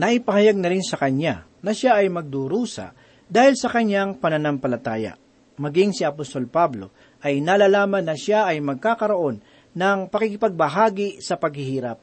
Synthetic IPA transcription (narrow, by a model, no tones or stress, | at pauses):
nɐʔɪpɐhɐjaɡ̚nɐɾɪnsɐkɐɲa | nɐʃaʔɐjmɐɡ̚d̪uɾuːsɐ̰ | d̪aːhɪlsɐkɐɲjaŋpɐnɐnampɐlɐt̪aːja̰ | mɐɡiŋsɪɐpost̪o̞lpablo̞̰ | ʔɐjnaːlaːlaːmɐnːɐʃaʔɐjmɐɡ̚kaːkɐɾoʔo̞nː | ɐŋpɐkikɪpɐɡ̚bɐɦaːɡɪsɐpɐɡhɪhiːɾap̚